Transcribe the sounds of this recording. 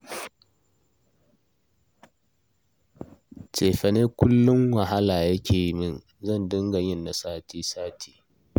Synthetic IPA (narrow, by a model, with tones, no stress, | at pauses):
t͡ʃʼeː˨ɸɐ˨neː˦kʷʊ˦lːʊ˦ŋwɐ˨ɦa˦laː˨jɐ˦kʲʰeː˨jmɪ˦˨n | zɐ˦˨ndɪ˦ŋɡa˨ɲɪ˦˨nːa˨saː˦tiː˦saː˦tʰi̥ː˨